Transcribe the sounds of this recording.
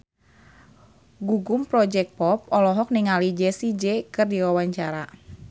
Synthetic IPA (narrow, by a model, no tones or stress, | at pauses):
ɡuɡʊmpɾɔd͡ʒɛk̚t̚pɔp̚ɔlɔɦɔk̚niŋalid͡ʒɛsid͡ʒɛkɨrdiwawaɲt͡ʃaɾa